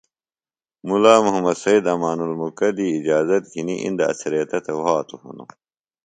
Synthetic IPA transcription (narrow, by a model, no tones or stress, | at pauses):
mulaːmuɦɐmɐd̪sɐid̪ɐmaːnulmukɐd̪iːid͡ʑaːzɐt̪̚ɡiniʔḭnd̪ɐɐ̰sɐɾijɐt̪ɐt̪ʰɐwaːt̪uhṵno̰